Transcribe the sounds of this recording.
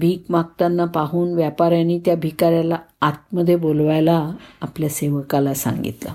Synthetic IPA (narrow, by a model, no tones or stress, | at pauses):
bʱiːkmak̚t̪anːapaɦuːnʋjapaɾjaniːt̪jabʱikaɾjalaat̪̚məd̪ʱːjebolʋajlaːpljaseʋəkalasa̰ŋɡḭt̪la̰